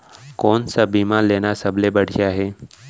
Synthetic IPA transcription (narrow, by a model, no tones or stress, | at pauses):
kɔːnsabiːmaːleːnasɐblebɐɽ̤ijaɦɛː